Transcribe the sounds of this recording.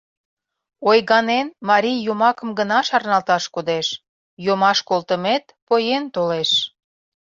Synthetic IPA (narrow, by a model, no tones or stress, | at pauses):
ojɣɑnenmɑɾʲijjomɑkə̆mɡənɑʃɑrnɑlt̪ɑʃkod̪eʃ | jomɑʃkolt̪əmet̪̚pojent̪oleʃ